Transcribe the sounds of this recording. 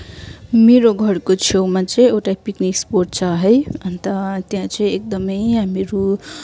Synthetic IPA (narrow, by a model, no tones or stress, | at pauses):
meɾoɡʱʌɾkot͡sʰewmat͡sʌĩewʈapikniksporʈ̚t͡sʰaɦʌjʌnt̪ʌt̪jãt͡sʌĩek̚d̪ʌmʌjɦamiɾu